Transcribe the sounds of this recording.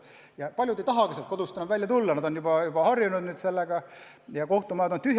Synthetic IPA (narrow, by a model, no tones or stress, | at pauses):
jɑpɑlʲjud̪e̞jt̪ɑɦɑkɑsɑlt̪ko̞d̪̥ust̪ɑnud̪væljɑt̪ulːɑnɑd̪onjubɑjub̥ɑhɑrjunud̪̥nyːd̪̥se̞lːeɡ̥ɑ | jɑkoht̪umɑjɑd̪ot̪yɦj